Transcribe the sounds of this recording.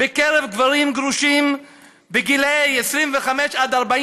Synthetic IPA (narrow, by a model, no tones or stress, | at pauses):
bekeɾevɡvaɾimɡɾuʃim | beɡilejesɾimveχameʃad̪aʁbai